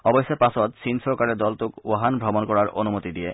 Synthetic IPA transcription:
ɔbojʃːepasɔt̪sinʃɔɾkaɾed̪ɔlt̪ukaɦanbʱɾɔbonkɔɾaɾo̰numot̪id̪ie

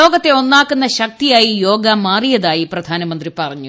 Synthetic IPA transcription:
o̞ːɡɐt̪ːe̞o̞nːaːkːunːɐɕɐk̚t̪ijaːjijo̞ːɡɐmaːrijɐðaːjiprɐd̪ʱaːnɐmɐnd̪ripɐrɐɲːu

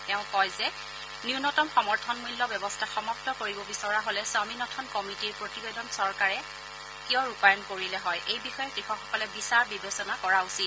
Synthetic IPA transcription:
tɛʊ̃kɔjzɛ | niʊnɔtɔmxɔmɔɹtʰɔnmulːɔbjɛbɔstʰaxɔmɔk̚tɔkoɹibɔbisɔɹaɦolɛsaminɔtʰɔnkɔmitiɹpɹotibedɔnsɔɹkaɹɛ | kijɔɹupajɔnkoɹilɛɦɔjʔejbixɔjɛtɹixɔxɔkɔlɛbisaɹbibesɔnakɔɹausit̚

